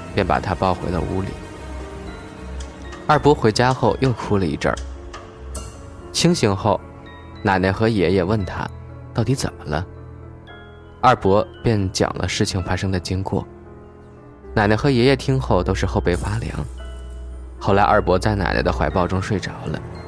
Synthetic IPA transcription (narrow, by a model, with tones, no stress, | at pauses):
pjɛ˥˩npa̰˨˩t̪ʰa˥pɑ˥˩ʊxwe˧˥ɪlə̰˧ṵ˧˥lḭ˨˩˦ | ɐ˞˥˩pwɔ˧˥xwe˧˥ɪt͡ɕja˥xo˥˧ʊjʔo˥˩ʊkʰu˥lə˧i˧˥ʈ͡ʂə̰˞˥˩ | t͡ɕʰi˥ŋɕi˧˥ŋxo˥˩ʊ | na˨˩nə˧˥xɤ˧˥jɛ˧˥jɛ˨˩wə˥˩nt̪ʰa̰˥ | t̪ɑ˥˩ʊt̪i˧˥t͡sə̰˨˩nmə˦lə˦ | ɐ˞˥˩pwɔ˧˥pjɛ˥˩nt͡ɕjɑ̰˨˩ŋlʔə̰˦ʂɻ̩˥˩t͡ɕʰi˨˩ŋfa˥ʂɤ˥ŋd̪ə˨t͡ɕi˥ŋkwɔ̰˥˩ | na˨˩nə˧˥xɤ˧˥jɛ˧˥jɛ˥˩t̪ʰi˥ŋxo˥˩ʊt̪o˥ʊʂɻ̩˧xo˥˧ʊpe˥˩ɪfa˥ljɑ̰˧˥ŋ | xo˥˩ʊla˧˥ɪʔɐ̰˞˥˩pwɔ˧˥t͡sa˥˩ɪna̰˨˩n̰˧˥d̪ə˧xwa˧˥ɪpɑ˥˧ʊʈ͡ʂʊ˥ŋʂwe˥˩ɪʈ͡ʂɑ˨˩˦ʊlə̰˧